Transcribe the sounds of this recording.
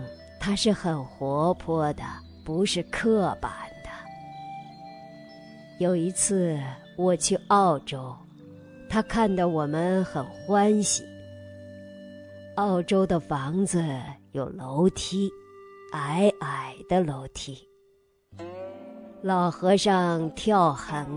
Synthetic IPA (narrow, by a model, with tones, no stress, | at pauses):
t̪ʰa˥ʂɻ̩˥˩xə˨˩nxwɔ˧˥pʰwɔ˥d̪ə̰˨ | pu˧˥ʂɻ̩˥˧kʰɤ˥˩pa̰˨˩nd̪̥ə˦ | jo˨˩ʊi˧˥t͡sʰɹ̩˥˩ | wɔ˨˩t͡ɕʰy˥˧ɑ˥˩ʊʈ͡ʂo˥ʊ | t̪ʰa˥kʰa˥˧nd̪ɑ˥˩ʊwɔ˨˩mə˦nxə˨˩nxwa˥nɕi˨˩ | ɑ˥˩ʊʈ͡ʂo˥ʊd̪ə˨fɑ˧˥ŋd͡zɹ̩˧jo˨˩ʊlo˧˥ʊt̪ʰi˥ʔa˧˨˥ɪʔa˨˩ɪd̪ə˦lo˧˥ʊt̪ʰi˥ | lɑ˨˩ʊxɤ˧˥ʂɑ˥˧ŋt̪ʰjɑ˥˩ʊxə˧˥n